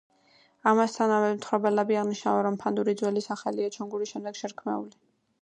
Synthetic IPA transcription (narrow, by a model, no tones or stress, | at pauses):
amast̪ʰanavɛmt̪ʰχɾɔbɛlɛbiaʁniʃnavɛɾɔmpʰand̪uɾid̪zwɛlisaχaliat͡ʃʰɔŋɡuɾiʃɛmd̪ɛɡ̥ʃɛɾkʰmɛ̰uli